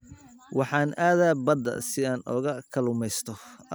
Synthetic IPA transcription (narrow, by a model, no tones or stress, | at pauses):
wɑħɑːnʔaːðaːbɐd̪ɐ̰sɪaːnʔɔːɣɐkʰɐlʊmɛjst̪ʰɔ